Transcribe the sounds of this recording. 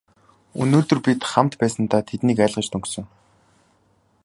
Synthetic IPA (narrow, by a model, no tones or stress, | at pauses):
ɵ̰noːt̪ɵ̆rpit̪χamt̪pæːsə̆nt̪aːt̪ʰet̪niːkæːɮʁə̆t͡ɕt̪ʰɵŋksɵ̆ŋ